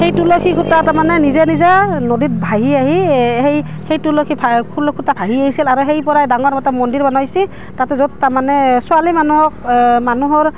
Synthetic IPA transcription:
hejtulokʰikʰutatamanɛnizɛnizanodit̚bʱaɦiaɦiɦej | hejtulokʰipʰakʰulɔkʰutapʰaɦiaɦisilaɹuɦejpɔɹajdaŋɔɹmɔtamɔndiɹbanɔsi | tatɛzɔd̚taɹmanɛsualimanuɦɔk̚manuɦɔɹ

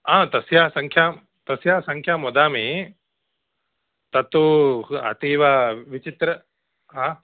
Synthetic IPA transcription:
aːt̪ɐsjaːsɐŋkʰjaːm | t̪ɐsjaːsɐŋkʰjaːmɔd̪aːmi | t̪ɐt̪uɐ̰t̪iːʋaʋit͡ʃit̪ɾɐ | ɦaː

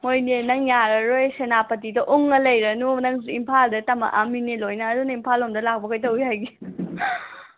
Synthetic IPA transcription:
mojnenɐŋjaɾɐɾojsenapɐt̬idɐʔoŋːɐlɐjɾɐnunɐŋsiimpʰaldɐtɐmɐ̰ʔaminelojnɐːdunɐimpʰalomdɐlak̚bɐkʰɐjtɐwihajɡi

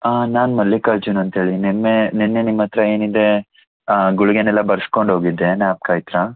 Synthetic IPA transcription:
aːnaːnmɐlːikɐɭt͡ʃunɐnt̪ɦe̞ːɭinemːenenːenimːɐt̪ɾɐe̞ːnid̪e̞ | ɡuɭuɡenɛlːɐbɐɾsko̞ɳɖɦo̞ːɡid̪ːe̞naːp̚kaːjt̪ɾa

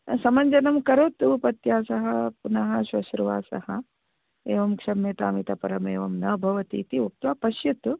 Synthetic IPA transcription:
sɐmɐɲd͡ʒɐnɐmkɐɾoːt̪uupɐt̪jaːsɐɦɐpunɐɦɐ̆ʃʋɐʃɾuʋa̰ːsɐ̰hɐ | eːʋɐmkʂɐmeːt̪aːmit̪ɐpɐɾɐmeːʋɐmnɐbʱɐʋɐt̪ḭːt̪iuk̚t̪ʋɐːpɐʃjɐt̪

